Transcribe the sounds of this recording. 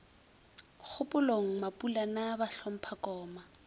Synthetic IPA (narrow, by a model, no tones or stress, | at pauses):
k͡xʰʊpʊloŋ̩mapʼulanabaɬɔm̩pʰakɔːma